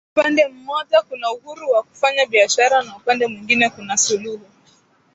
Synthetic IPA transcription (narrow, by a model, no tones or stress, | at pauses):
upandɛm̩mɔʄakunauhuɾuwaku̥faɲaɓiaʃaɾanaupandɛmwiŋɡinɛkunasuluɦu